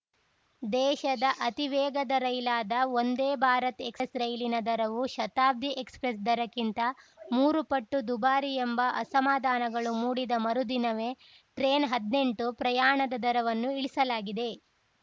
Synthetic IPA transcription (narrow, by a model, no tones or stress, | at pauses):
d̪ɛːʃɐd̪ɐʔɐt̪iʋɛːɡɐd̪ɐɾɐjlaːd̪ɐo̞nd̪eːbʱaːɾɐt̪e̞kssɾɐjlinɐd̪ɐɾɐʋuʃɐt̪aːb̚d̪ʱiʔekspɾes̬d̪ɐɾɐkint̪ɐmuːɾupɐʈːud̪ubaːɾiembɐʔɐsɐmaːd̪ʱaːnɐɡɐɭumuːɽid̪ɐmɐɾud̪inɐʋe | ʈɾeːnɦɐd̪ne̞ɳʈupɾɐjaːɳɐd̪ɐd̪ɐɾɐʋɐnːuiɭisɐlaːɡid̪e̞